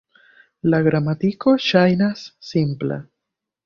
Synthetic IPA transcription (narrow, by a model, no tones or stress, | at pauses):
laɡɾamatiko̞ʃajnasːimpla̰